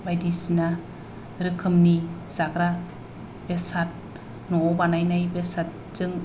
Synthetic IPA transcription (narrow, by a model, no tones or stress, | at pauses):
bajdisna | ɾɯkʰɯmnizaɡɾa | b̥esat̚ | nɔbanajnajbesat̚zɯŋ